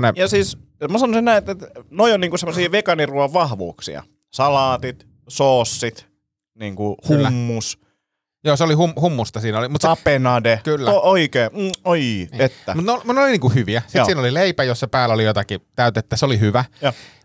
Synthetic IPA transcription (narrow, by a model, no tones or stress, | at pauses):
nejɑsiːs | mɑsɑnosinnæiet̪et̪noioniːŋkusemːosiːʋekɑniruɑʋʋɑhʋṵːksḭɑ̰ | sɑlɑːt̪it̪ | soːsːit̪ | niːŋkuhlːmːus | joːseolihumhumːust̪ɑsiːnolimut̪sɑpenɑdekylːæooikeːoiet̪ːæmut̪neomut̪neoliniːŋkuhyʋiæsisiːnolileipæjossepæːlːæolijot̪ɑkit̪æyt̪et̪ːæseolihyʋæj